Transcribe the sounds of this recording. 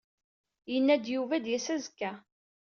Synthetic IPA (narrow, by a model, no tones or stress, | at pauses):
jənːæd̪juvæd̪jæsæzkːæ